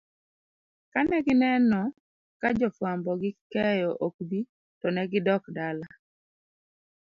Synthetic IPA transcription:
kanɛɡɪnɛnɔ | kad͡ʒɔfwambɔɡɪkɛjɔʔok̚bi | tɔnɛɡɪdɔkdala

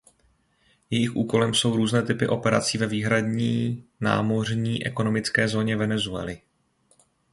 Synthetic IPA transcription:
jɛjɪxʔuːko̞lɛmso̞wɾuːznɛːt̪ɪpɪ̰ʔo̞pɛɾat͡siːvɛviːɦɾadɲiːna̰ːmo̞r̝ɲiːʔɛ̰ko̞no̞mɪt͡skɛːzo̞ːɲɛvɛnɛzuɛ̰lɪ

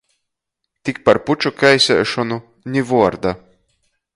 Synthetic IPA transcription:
t̪ʲik̚paɾput͡ʃukajsʲɛ̰ːʃɔnu | nʲivuɔɾd̪a

